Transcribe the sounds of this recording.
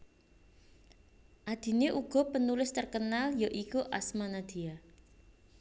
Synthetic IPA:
ʔad̪̥i̤neʔuɡ̥ɔ̤pənulɪst̪ərkənaljoʔikuʔa̰smanad̪̥ia

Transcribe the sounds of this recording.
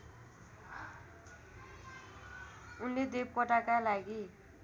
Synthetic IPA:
unled̪ep̚kʌʈakalaɡi

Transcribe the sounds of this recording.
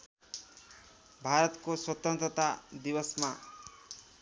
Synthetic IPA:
bʱaɾɔt̪koswɔt̪ʌnt̪ɾɔt̪ad̪ibʌsma

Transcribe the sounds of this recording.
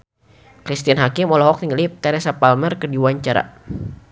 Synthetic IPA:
kɾist̪ianɦakɪmɔlɔɦɔk̚niŋɡəlip̚t̪ɛɾɛsapalmərkərdiwaɲt͡ʃaɾa̰

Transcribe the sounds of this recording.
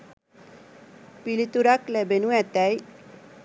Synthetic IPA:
pilit̪uɾaklɛbenuɛt̪ɛj

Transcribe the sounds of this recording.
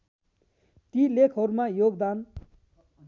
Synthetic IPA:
t̪ilekʰɦʌɾumajoɡd̪an

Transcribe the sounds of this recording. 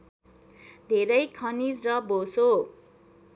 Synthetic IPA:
d̪ʱeɾʌjkʰʌnisrʌboso

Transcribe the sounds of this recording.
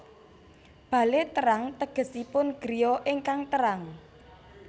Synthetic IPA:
b̥ä̤let̪əɾaŋt̪əɡ̥ə̤sipʊnɡ̥ɾijɔʔɪŋkaŋt̪əɾaŋ

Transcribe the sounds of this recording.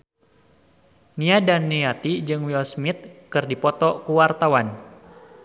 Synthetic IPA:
niadanːiat̪id͡ʒɨŋwiɔsmit̪̚kɨrdipɔt̪ɔkuwart̪awan

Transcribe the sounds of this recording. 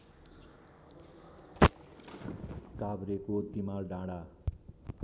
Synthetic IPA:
kabɾekot̪imalɖãɽa

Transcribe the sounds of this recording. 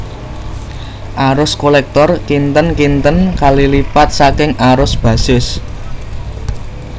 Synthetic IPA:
ʔaɾʊskolɛk̚t̪ɔrkint̪ənkint̪ənkalilipat̪̚sakɪŋaɾʊsb̥ä̤sɪs

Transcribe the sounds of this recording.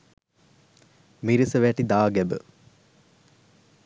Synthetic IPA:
miɾisəʋæʈid̪aːɡɛbə̰

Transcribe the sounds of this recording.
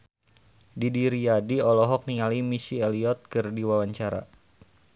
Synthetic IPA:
didiɾiadiɔlɔɦɔk̚niŋalimisieliɔt̪̚kɨrdiwawaɲt͡ʃaɾa̰

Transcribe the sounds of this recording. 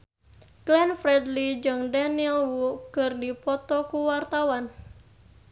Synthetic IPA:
klɛnfɾɛdlid͡ʒɨŋdanilwukɨrdipɔt̪ɔkuwart̪awan

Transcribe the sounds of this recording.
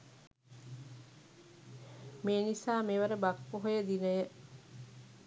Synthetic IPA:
meːnisaːmeʋəɾəbakʋuɦojəd̪inəjə

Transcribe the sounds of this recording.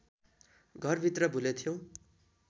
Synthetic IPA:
ɡʱʌrbʱit̪rʌbʱulet̪ʰjõw̃

